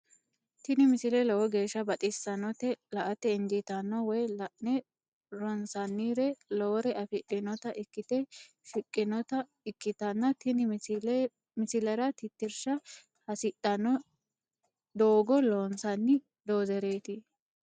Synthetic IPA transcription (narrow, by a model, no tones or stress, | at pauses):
t̪ɪnɪmɪsɪlɛlɔwɔɡe̞ːʃːɐbɐt̪ʼɪsːɐnɔt̪ɛlɐʔɐt̪ɛɪnd͡ʒɪt̪ɐnːɔwɔjɐʔnɛ | ɾɔnsɐnːiːɾɛlɔwɾɛʔɐfɪɗɪnɔt̪ɐʔɪkːɪt̪ɛ | fɪkʼːɪnɔt̪ɐ | ɪkːɪt̪ɐnːɐt̪ɪnɪ | mɪsɪlɐɾɐt̪ɪt̪ːɪɾʃɐ | hɐsɪɗɐnɔ | d̪oːɡɔloːnsɐnːɪ | d̪oːzɛɾe̞ːt̪ɪ